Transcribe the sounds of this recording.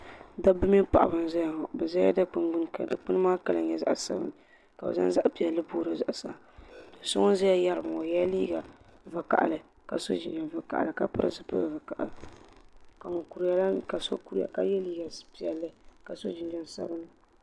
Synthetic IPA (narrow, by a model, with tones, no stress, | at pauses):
da˦bɨ˦mi˦pa˨ʔa̰˨bɨ˨n˦za˦ja˨ŋɔ˨bɛ˨za˦ja̰˦da˦k͡pɨ˦nɡ͡bɨ˦n˦ka̰˨da̰˨k͡pɨ˦nɨ˦maː˦ka˦lɨ˨ɲɛ˨za̰˦ʔsa̰˦bɨ̰˦˨nɨ˨ | ka˨bɛ̰˨za̰˦n˦za˦ʔpi˨ɛ˨lːɨ˦boː˦ɾɨ˨za˨ʔsa˨dɨ˨so˦ŋɔ˦za˦ja˦ja˦ɾɨ˨ba˨ŋo˨ja˦liː˦ɡa˨vɨ˨ka̰˨ʔa̰˨lɨ˨ | ka˨so˦d͡ʒɪ̰˨nd͡ʒɛ˨n˨vɨ˦ka̰˨ʔlɨ˨ka˦pɨ̰˦ɾɨ̰˨zɨ˨pɨ̰˦bvɨ˨ka˨ʔl | ka˨ŋo˨ku˨ɾja˦la˦ka˨so̰˦ku˦ɾi˦ja̰˨ka˦jɛ˦liː˦ɡa˨˦pi˨ɛ˨lːɨ˦ka˨so˦d͡ʒi˨nd͡ʒɛ˦n˨sa̰˦bɨ˦nɨ˦